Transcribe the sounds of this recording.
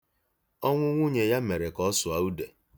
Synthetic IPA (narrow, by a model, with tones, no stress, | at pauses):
ɔ˦ŋʷʊ˦ŋʷu˦ɲe˨ja˦me˨ɾe˨kɔ˦sʊ˨a˨u˦de˨